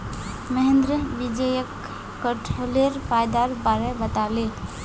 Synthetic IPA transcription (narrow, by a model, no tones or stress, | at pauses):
məɦend̪ɾəbid͡ʒəjəkː | əʈʰoleɾpʰajd̪aɾbaɾebət̪ale